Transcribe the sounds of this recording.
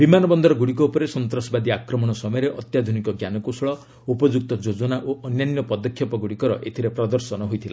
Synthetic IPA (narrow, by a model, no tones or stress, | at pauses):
bimanɔbɔnd̪ʱɔɾɔɡuɽik̬ɔupɔɾesɔnt̪ɾɔsɔbad̪iakɾɔmɔɽ̃ɔsɔmɔjɾeʔɔt̪jad̪ʱunikɔɡjanɔkusɭɔ | upɔd͡ʒuk̚t̪ɔd͡ʒod͡ʒɔnaʔoʔɔnjanjɔpɔd̪ɔkʰːjɔpɔɡuɽikɔɾɔ̰ʔet̪ʰiɾepɾɔd̪ɔɾsɔnɔɦojt̪ʰila